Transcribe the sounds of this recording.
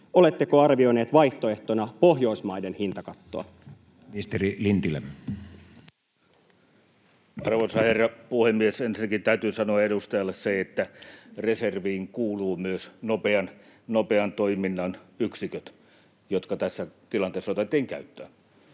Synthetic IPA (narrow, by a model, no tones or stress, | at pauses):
ole̞t̪ːekoɑrʋioineːt̪ʋɑjht̪oeht̪onɑpoɦjoismɑidenhint̪ɑkɑt̪ːoɑ̰ | ist̪erilint̪ilḛm | ɑrʋonsɑherːɑpuhemːiesensinːækint̪æyt̪yːsɑnoɑeɾust̪ɑjɑlːˑesseet̪ːæreserʋiːŋkuːluːmyøsnopeɑn | nopeɑnt̪oiminːɑnyksikøt̪ | jot̪kɑt̪æsːæt̪ilɑnt̪eːsːɑot̪et̪ːˑiːŋkæ̰yt̪ːøː